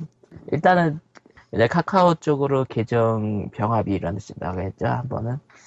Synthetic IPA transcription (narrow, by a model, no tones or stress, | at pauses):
ḭɭt͈anɯn | jenakʰakʰaot͡ɕ͈oɡɯɾoke̞d͡ʑʌŋpjʌŋɦabiːɾanɯɕ͈ʰinda̰ɡoɦe̞t̚t͡ɕ͈ohambʌ̰nɯn